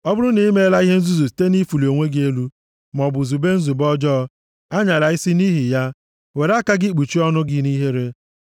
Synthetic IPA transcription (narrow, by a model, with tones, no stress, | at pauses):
ɔ˦bʊ˦ɾʊ˦ni˨i˦me˦e˦la˦i˦ɦe˦n̩˦zu˦zu˨si̥˨te˦ni˦fu˨li˨o˨ŋʷe˦ɡe˦lu˦ | m˨ɔ˨bʊ˨zu˨be˦n̩˦zu˨bɔ˦d͡ʒɔ˦ | a˦ɲa˨ɾa˨ɪ˦si˦ni˦ɦi˨ja˦ | we˨ɾa˦ka˦ɡɪ˦˨k͡pu˨t͡ʃi˦ɔ˦nʊ˦ɡɪ˦ni˦ɦe˦ɾe˦